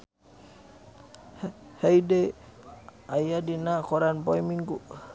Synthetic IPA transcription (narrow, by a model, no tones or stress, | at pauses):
hejde | ajadinakʰɔɾanbɔjmiŋɡu